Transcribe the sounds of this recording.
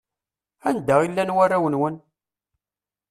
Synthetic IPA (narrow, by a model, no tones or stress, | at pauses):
ænd̪æʁilːænwærːæwənwən